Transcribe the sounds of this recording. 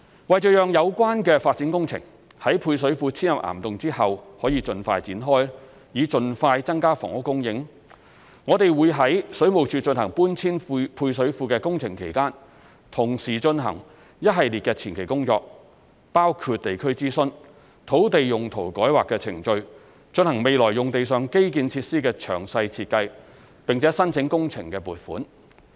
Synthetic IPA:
wɐ˨˩jt͡ʃœ˨˧jœː˨ŋjɐ˨˧wkʷaː˥nkɛː˧faː˧t̚t͡siː˨˥nkʊ˥ŋt͡sʰɪ̰˨˩ŋ | hɐ˨˥jpʰuː˧js̬ɵ˨˥ɥfuː˧t͡sʰiː˥njɐ˨p̚ʔa̰ː˨˩mt̪ʊ˨ŋt͡siː˥hɐ˨whɔː˨˥jiː˨˧t͡ʃɵ˧nfaː˧jt͡siː˨˥nɦɔː˥j | jiː˨˧t͡ʃɵ˨nfaː˧jt͡sɐ˥ŋkaː˥fɔ̰ː˨˩ŋʊ˥kːʊ˥ŋjɪ˨˥ŋ | ŋɔː˨˧t̪e˨jwuː˨˧jɦɐ˨˥jsɵ˨˥ɥmo˨˩wt͡ʃʰyː˧t͡ʃɵ˧nɦɐ̰˨˩ŋpuː˥nt͡sʰiː˥nfpʰuː˧js̬ɵ˨˥ɥfuː˧kɛː˧kʊ˥ŋt͡sʰɪ˨˩ŋkʰe˨˩jkaː˥n | t̪ʰʊ˨˩ŋsiː˨˩t͡ʃɵ˧nɦɐ̰˨˩ŋ | jɐ˥t̚ɦɐ˨jliː˨t̚kɛː˧t͡sʰiː˨˩nkʰe˨˩jkʊ˥ŋt͡ʃɔː˧k̚ | paː˥wkʰuː˧t̚t̪e˨jkʰɵ˥ɥt͡siː˥sɵ˥n | t̪ʰo˨˥wt̪e˨jːʊ˨˩ŋt̪ʰo˨˩wkɔː˨˥jwaː˨kːɛː˧t͡sʰɪ˨˩ŋt͡ʃɵ˧ɥ | t͡ʃɵ˧nɦɐ˨˩ŋme˨jlɔː˨˩jjʊ˨˩ŋt̪e˨js̬œː˨ŋke˥jkiː˨˧nt͡sʰiː˧t̚siː˥kɛː˧t͡ʃʰœː˨˩ŋsɐ˧jt͡sʰiː˧t̚kɐ˧j | pɪ˨ŋt͡sʰɛː˨˥sɐ˥nt͡sʰɪ˨˥ŋkʊ˥ŋt͡sʰɪ˨˩ŋkɛː˧puː˨t̚fṵː˨˥n

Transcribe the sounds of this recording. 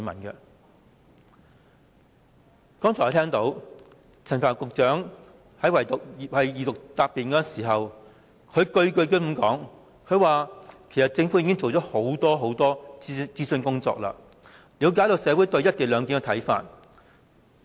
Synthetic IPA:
y˨˧mɐ̰˨˩nkɛ˧ | kɔː˥ŋt͡ʃʰɔ˨˩˨t̪ʰɛː˥ŋt̪o˨˧˥w | t͡sʰɐ˨˩nfaː˨˩nkʊ˨k̚t͡ʃœː˨˥ŋ | hɐ˨˥jwɐ˨˩jt̪ʊ˨k̚hɐ˨jjiː˨t̪ʊ˨k̚t̪aː˧pːiː˨nkɔː˧˥˨nsiː˨˩ɦɐ˨w | kʰɵ˨˧ɥkɵ˧ɥkɵ˧ɥkɵ˥m̩˨˥mkɔ̰ː˨˥ŋ | kʰɵ˨˧ɥwaː˨kʰe˨˩sɐ˨˩t̚t͡sɪ˧ŋfu˨˥jiː˧˥kɪ˥ŋt͡so˨wt͡sɔː˨˥ho˨˥wt̪ɔː˥ɦo˨˥wt̪ɔː˥t͡siː˥sɵ˧nkʊ˥ŋt͡sɔ̰ː˧k̚la̰ː˧ | liː˨˧wkaː˨˥jt̪o˨˧wsɛː˨˧wu˨˥jt̪ɵ˧ɥjɐ˥t̚t̪iː˨˩lœː˨˧ŋki˨˥nkɛ˧t̪ʰɐ˨˥jfa̰ː˧t̚

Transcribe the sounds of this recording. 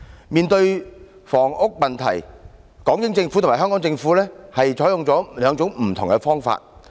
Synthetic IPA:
miː˨nt̪ɵ˧ɥ | fɔː˨˩ŋʔʊ˥k̚mɐ˨nt̪ʰɐ̰˨˩j | kɔː˨˥ŋjɪ˨˥ŋt͡sɪ˧ŋfu˧˥t̪ʰmaː˨˩ɦœː˥ŋkɔː˨˥ŋt͡sɪ˧ŋfu˨˥lɛː˥hɐ˨jt͡sʰɔː˨˥jʊ˨˧ŋt͡sɔː˨˥lœː˨˧ŋt͡sʊ˨˥ŋm̩˨˩t̪ʰʊ˨˩ŋkɛ˧fɔː˥ŋfa̰ː˧t̚

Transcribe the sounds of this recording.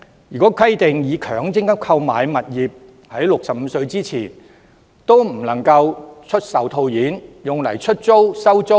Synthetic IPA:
jyː˨˩kɔː˨˥kʰɐ˥jt̪ɪ˨ŋjiː˨˧kʰœː˨˩ŋt͡sɪ˥ŋkɐ˥p̚kʰɐ˧wmaː˨jmɐ˨t̚jiː˨p̚ | hɐ˨˥jlʊ˨k̚sɐ˨p̚m̩˨˧sɵ˧ɥt͡siː˥t͡sʰiː˨˩n | t̪o˥wm̩˨˩lɐ˨˩ŋkɐ˧wt͡ʃʰɵ˥t̚sɐ˨wt̪ʰo˧wjiː˨˥njʊ˨ŋlɐ˨˩jt͡ʃʰɵ˥t̚t͡so˥wsɐ˥wt͡so˥

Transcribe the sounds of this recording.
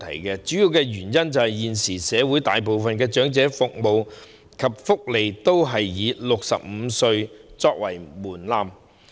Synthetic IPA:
t̪ʰɐ̰˨˩jkɛ˧t͡syː˨˥jiː˨˧wkɛː˧jyː˨˩njɐ˥nt͡sɐ˨whɐ˨jjiː˨nsiː˨˩sɛː˨˧wuː˨˥jt̪a̰ː˨jp̬o˨wfɐ˨nkɛː˧t͡ʃœː˨˥ŋt͡sɛː˨˥fʊ˨k̚mo˨w | kʰɐ˨p̚fʊ˥k̚le˨jt̪o˥wɦɐ˨jːiː˨˧˥lʊ˨k̚sɐ̰˨p̚m̩˨˧sɵ˧ɥt͡sɔː˧k̚wɐ˨˩jmuː˨˩nlaː˧m

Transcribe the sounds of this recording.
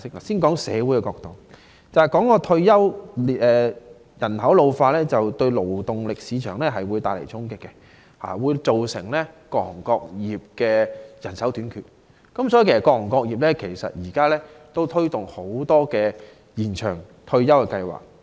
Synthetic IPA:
ɪ˥k̚aː˨siː˥nkɔː˨˥ŋsɛ̰ː˨˧wu˨˥jkɛ˧kɔː˧k̚t̪o˨w | t͡sɐ˨hɐ˨jkɔː˨˥ŋɔː˨˧t̪ʰɵ˧ɥjɐ˥wlɛː˨˧ | jɐ˨˩nɦɐ˨˥wlo˧wfaː˧lɛː˥t͡sɐ˨wt̪ɵ˧ɥlo˨˩wt̪ʊ˨ŋlɪ˨k̚siː˨˧t͡ʃʰœ̰ː˨˩ŋlɛː˥ɦɐ˨jwuː˨˧jt̪aː˧˨lḛ˨˩jt͡sʰʊ˥ŋkɪ˥kːɛ˧ | ha̰ː˨wuː˨˧jt͡so˨wsɪ̰˨˩ŋlɛ˥kɔː˧˥k̚hŋkɔː˧k̚jiː˨p̚kɛː˧jɐ˨˩nsɐ˨˥wt̪yː˨˥nkʰy̰ː˨t̚ | kɐ˨˥msɔː˨˥i˨kʰe˨˩sɐ˨kɔː˧kŋkɔː˧k̚jiː˨˩p̚lɛː˥kʰe˨˩jsɐ̰˨t̚jiː˨˩kaː˥lɛː˥t̪o˥wt̪ʰɵ˥ɥt̪ʊ˨ŋho˨˥wt̪ɔː˥kɛː˧ | jiː˨˩nt͡ʃʰœ̰ː˨˩ŋ | t̪ʰɵ˧ɥjɐ˥wkɛ˧kɐ˧jwa̰ː˨˩k̚

